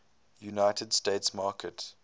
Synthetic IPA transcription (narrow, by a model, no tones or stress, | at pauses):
junaɪtʰədsteɪtsmɑːkʰət